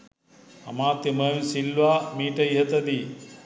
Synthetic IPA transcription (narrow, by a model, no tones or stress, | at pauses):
ɐmaːt̪jɐməːmisilʋaːmiːʈɐjiɦɐt̪ɐd̪i